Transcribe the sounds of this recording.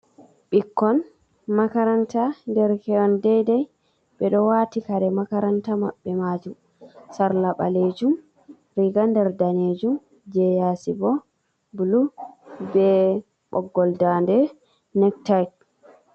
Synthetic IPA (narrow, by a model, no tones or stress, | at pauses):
ɓikːɔn | makaɾantandɛɾkɛɔndɛjdɛj | ɓɛɗɔwatikaɾɛmakaɾantama̰ɓːɛmad͡ʒum | saɾlaɓa̰leːd͡ʒum | ɾiɡandɛɾdaned͡ʒum | d͡ʒɛjasibɔ | bulubɛ | ɓɔɡːɔldandɛ | nɛk̚tajt